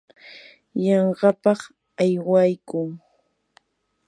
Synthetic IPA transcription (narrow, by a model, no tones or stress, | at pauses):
jɑɴɢɑpɑχ | ajwajkʊŋ